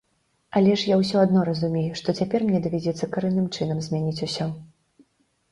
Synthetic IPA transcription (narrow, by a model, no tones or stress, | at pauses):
alʲɛʂjawsʲɔad̪nɔɾɐzumʲejuʂt̪ɔt͡sʲapʲɛrmnʲɲʲɛd̪ɐvʲad͡zʲɛt̪sːɐkaɾɛnːɨmt͡ʂɨn̪ɐmzʲmʲanʲit͡sʲusʲɔ